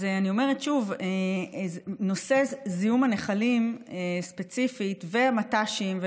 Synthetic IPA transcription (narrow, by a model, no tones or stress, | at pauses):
zeanio̞me̞ʁetʃuve | no̞se̞zijumaneχalimespet͡sifitveamataʃimve